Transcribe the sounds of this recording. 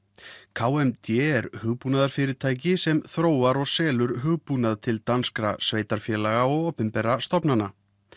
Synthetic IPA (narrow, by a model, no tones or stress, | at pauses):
kʰaːwɛmt̪ʰjɛɛɾhʏɣpunaðaɾ̥fɪːɾɪt̪ʰaːjcɪsɛmθɾoːwaɾɔɣsɛːlʏɾɦʏɣpunaðt̪ʰɪlt̪anskɾa̰sveːjt̪aɾ̥fjɛːlaɣaɔɣoːpʏmpɛɾast̪ɔpnanːa